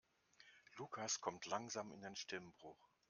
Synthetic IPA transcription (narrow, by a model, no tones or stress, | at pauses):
lukʰaskʰɔmtʰlaŋzaːmɪ̰ndeːnʃtɪmbʁʊχ